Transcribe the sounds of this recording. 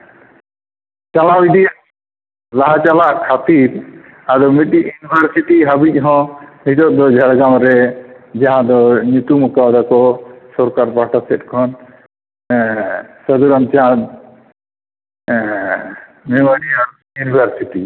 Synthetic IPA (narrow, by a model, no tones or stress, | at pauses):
t͡ʃalawid̪ia | laɦat͡ʃalaʔkʰat̪iɾ | aɾɔmiʈiʔjunibʱəɾsiʈiɦabic̚ˀɦɔ̃mit̪ɔt̪̚d̪ɔd͡ʒʱaɽɡamɾɛd͡ʒaɦãd̪ɔɲut̪umukad̪akɔsɔɾkaɾpaʈasɛt̚kʰɔn | səd̪uɾɔnt͡ʃat̪ | mɛmaniaɾɔ | junibʱəɾsiʈi